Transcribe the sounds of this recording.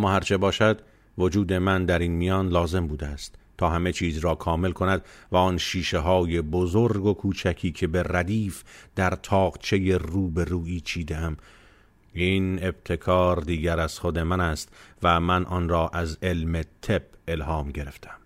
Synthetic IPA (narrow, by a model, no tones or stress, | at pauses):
æmːɒːhæɾt͡ʃʰe̞bɒːʃæd̪ | vod͡ʒuːd̪e̞mænd̪æɾiːnmijɒːnlɒːze̞mbuːd̪eæst̪t̪ʰːɒːɦæme̞t͡ʃʰiːzɾɒːkʰɒːme̞lkʰo̞næd̪væɒːnʃiːʃe̞ɦɒːje̞bozoɾɡo̞kʰuːt͡ʃʰækʰiːkʰe̞be̞ræd̪iːfd̪æɾt̪ʰɒːɣt͡ʃʰe̞je̞ruːbe̞ɾuːiːt͡ʃʰiːd̪eæm | iːne̞b̥̚t̪ʰe̞kʰɒːɾd̪iːɡæɾæz̥χod̪e̞mænæst̪væmænʔɒnrɒːʔæze̞lme̞t̪ʰe̞b̥̚e̞lɦɒːmɟe̞ɾe̞ft̪ʰæm